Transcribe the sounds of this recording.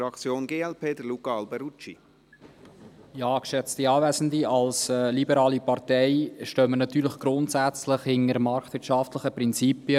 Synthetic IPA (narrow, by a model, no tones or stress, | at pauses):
fɾɑkt͡sjoːnɡeːɛlpʰeːd̪əlukɑɑlbɛɾut͡ʃi | jɑːkʃɛt͡stiɑːvæzən̩diɑlsɛlibəɾɑːlipɑɾtɛɪʃtœmənɑt̪yːɾlɪχɡ̥ɾʊnt̪sæt͡slɪχhɪŋəɾmɑɾktvɪtʃɑftləχəpɾɪnt͡sipiə